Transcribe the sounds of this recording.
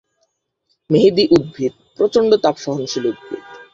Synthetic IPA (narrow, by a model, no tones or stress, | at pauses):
meɦed̪iʔud̪̚bʱid̪̚pɾot͡ɕoɳɖot̪apʃɔɦonʃʰiloud̪̚bʱḭd̪